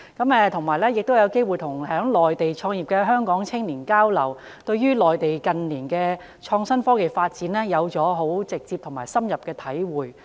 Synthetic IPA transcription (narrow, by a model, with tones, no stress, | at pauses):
kɐ˨˥mɛː˨˧t̪ʰʊ˨˩ŋmaː˨˩jlɛː˥jɪ˨k̚t̪o˥wjɐ˨˧wke˥jwuː˨˩jt̪ʰʊ˨˩ŋhœː˨˥ŋlɔː˨jt̪e˨jt͡ʃʰɔː˧ŋjiː˨˩p̚kɛː˧ɦœː˥ŋkɔː˨˥ŋt͡sʰɪ˥ŋliː˨˩nkaː˥wlɐ˨˩w | t̪ɵ˧ɥɥyː˥lɔː˨jt̪e˨jkɐ˨nliː˨˩nkɛː˧ | t͡ʃʰɔː˧ŋsɐ˥nfɔː˥ke˨˩jfaː˧t̚t͡siː˨˥nɛː˥jɐ˨˧wt͡sɔː˨˥ɦo˨˥wt͡sɪ˨k̚t͡si˧p̪̚ʰʊ˨˩ŋmaː˨˩jsɐ˥mjɐ˨p̚kɛː˧t̪ʰɐ˨˥jwuː˨j